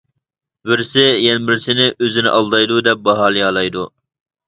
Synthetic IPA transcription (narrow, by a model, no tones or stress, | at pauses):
bɪɾsɪjɛnbɪɾsɪnɪʔøzɪnɪ̰ʔɑlˠd̪ɑjd̪ud̪ɛp̚bɑɦɑːlˠɨjɑːlˠɑjd̪u